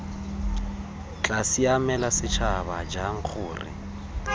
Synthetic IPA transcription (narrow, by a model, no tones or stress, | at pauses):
t͡ɬʼasiamɛlasɪt͡ʃʰabad͡ʒaŋ̩k͡xʰʊːrɪ̰